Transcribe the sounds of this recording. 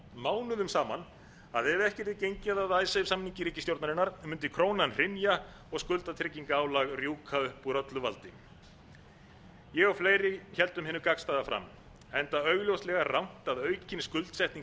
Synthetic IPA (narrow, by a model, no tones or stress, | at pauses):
maːwnʏðʏmsaːman | aðɛðɛhcɛɾ̥t̪ɪcejɲcaðaðaːjsɛsamnːiŋcɪɾiːcɪst̪jowɾt̪naɾɪnːaɾmʏnt̪ɪkʰɾoːwnanr̥ɪnja | ɔɣskʏlt̪at̪ʰɪɾciŋkaaːwlaɣrjuːkʰaʏhpuɾœt̪lʏva̰lt̪ɪ | jɛɣawfleːjɾɪçɛlt̪ʏmɦɪːnʏkakst̪ajðafɾa̰m | ɛnt̪aœɥɣljowst̪lɛɣarawŋ̥t̪aðœːɥcʰɪnskʏlt̪sɛjht̪niŋ